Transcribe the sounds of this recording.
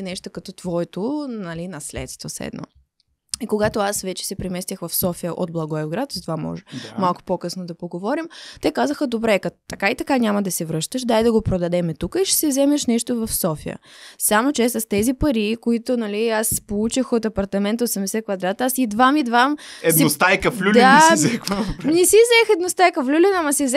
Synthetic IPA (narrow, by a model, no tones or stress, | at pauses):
nɛʃt̪okɐt̪ɔt̪vɔɛt̪onɐlinɐslɛ̰t̪st̪vosɛ̰d̪nɔ̰ | ikoɡat̪oasvɛt͡ʃɛ̥sɛpɾɛmɛst̪ʲəxvɐfsɔfijəʔo̰d̪̚blˠɐɡɔɛvɡɾat̪zɐt̪ovamɔ̰ʒɛmalˠkʊ̥pokɤsnod̪ɐpoɡovɔɾimt̪ɛkazəxəd̪obɾɛkɐt̪ɐkait̪ɐkaɲʲamɐd̪ɐsɛvɾɤʃt̪əʃd̪ajd̪ɐɡopɾod̪ɐd̪ɛmɛt̪ukəiʃɛ̥sɛzɛmɛʃnɛʃt̪ovɐfsɔfḭjə̰samot͡ʃɛsɐst̪ɛzipɐɾikoit̪onɐliaspolˠut͡ʃixot̪ɐpɐɾt̪ɐmɛnt̪ɐosɛmd̪ɛsɛkvɐd̪ɾat̪asid̪vamid̪vamɛd̪nost̪ajkəflʲuld̪ɛasɛxɐnɛsizɛxɛd̪nost̪ajkəflʲulʲɛnɐmɐsɛzɛ